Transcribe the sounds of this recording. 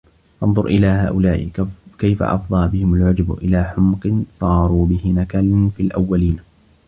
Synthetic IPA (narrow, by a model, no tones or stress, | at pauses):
ʔɑnðˤʊɾʔɪlaːhaːʔʊlaːʔɪ̰kajfa̰ʔɑ̰fd̪ˤɑːbɪhɪmalʕʊd͡ʒbʔɪlaːħʊmqɨnsˤɑːɾˤuːbɪhɪnakalnfilʔa̰wːaliːn